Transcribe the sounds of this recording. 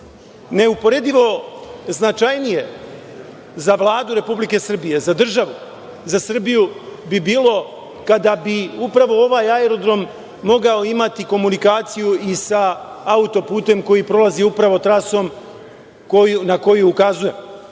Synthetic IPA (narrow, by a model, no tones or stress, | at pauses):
ne̞upo̞ɾe̞d̪iʋo̞znat͡ʃajnije̞ | zaʋlˠaːd̪uɾe̞publike̞sr̩bije̞zad̪r̩ʒaʋu | zasr̩bijubibiːlˠo̞ | kad̪abiupɾaʋo̞o̞ʋaːjaeɾo̞d̪ɾo̞mː | o̞ɡaoimat̪iko̞munikaːt̪sijuisa | aut̪o̞puːt̪e̞mko̞jipɾo̞laziupɾaʋo̞t̪ɾaso̞m | kounako̞juukazuje̞m